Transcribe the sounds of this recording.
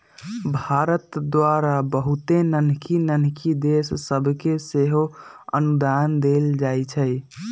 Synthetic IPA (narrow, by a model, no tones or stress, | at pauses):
bʱaɾət̪d̪waɾabəɦut̪enənkinənkid̪essəbʱkeseɦoə̰nud̪and̪eld͡ʒajt͡ʃʰɛj